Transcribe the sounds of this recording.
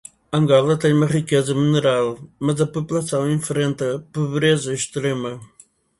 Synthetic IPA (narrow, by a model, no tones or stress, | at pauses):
ɐ̃ŋɡɔlˠɐt̪ɐ̃j̃umɐʁikezɐmɨnɨɾalˠmɐzɐpupulˠɐsɐ̃w̃ẽfɾẽnt̪ɐpuβɾezɐʃt̪ɾemɐ